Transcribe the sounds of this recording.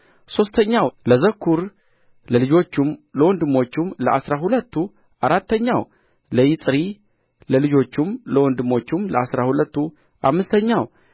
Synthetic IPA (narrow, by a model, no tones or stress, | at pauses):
so̞st̪ʰəɲːawləzəkʰːuɾ | ləlɨd͡ʒo̞t͡ʃːumləwɔnd̪ɨmːo̞t͡ʃːumləasɾaɦulət̪ːu | ʔaɾat̪ːəɲːaw | ləjɪt̪ʼɾi | ləlɨd͡ʒo̞t͡ʃːumləwɔnd̪ɨmo̞t͡ʃːumləasɾahulət̪ːu | ʔa̰mːɨst̪ʰəɲːaw